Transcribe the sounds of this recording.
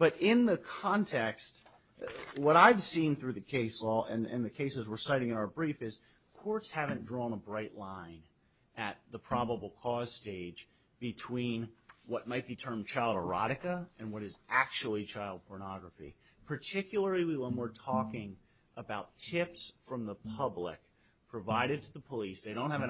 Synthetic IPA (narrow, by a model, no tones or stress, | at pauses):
b̥ʌɾɪ̃nðɨkʰɑ̃ntʰɛkst | wʌɾaɪv̥sĩnθɹʉðɨkʰeɪsɔlˠɨ̃nɨ̰̃nðɨkʰeɪsɨzwəɹsaɪɾɪ̃ŋɨ̃ñaʊə˞bɹifɨz̥ | kʰɔɹtshævɨ̃ndɹɔ̃nəbɹaɪʔˡlãɪ̃n | ʔɨt̪̚ðəpʰɹ̥ɑbəbl̩ˠkʰɔz̥steɪd͡ʒ | b̥ɨtʰw̥ĩnwʌt̚maɪt̚b̥itʰɜ̃˞mt͡ʃʰaɪlˠdə˞ɑɾɨkəɨ̃nwʌɾɨzʔæk̚t͡ʃul̩ˠit͡ʃʰaɪlˠd̚pʰɔɹnɑɡɹəfḭ | pʰə˞tʰɪkʰjl̩ˠə˞lˠiwiwə̃nwəɹtʰɔkɪ̃ŋ | ʔəbaʊtʰɪpsfɹʌ̃mðəpʰʌblɪ̰k | pʰɹ̥ɨvaɪɾɨd̚tʰɨðəpʰəlisðeɪɾõʊ̃nt̚hɨvɨ̃